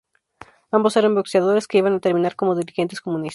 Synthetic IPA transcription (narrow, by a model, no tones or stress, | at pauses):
ambo̞se̞ɾambokseaðo̞ɾe̞ske̞iβanat̪e̞ɾmĩnaɾko̞mo̞ðiɾixe̞nt̪esko̞mũnis